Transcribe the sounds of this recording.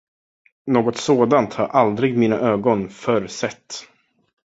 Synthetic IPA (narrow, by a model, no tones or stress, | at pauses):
noːɡɔt̪soːd̪ant̪haɾʔald̪ɾɪɡmiːna̰ʔøːɡɔnfœɾsɛt̪ː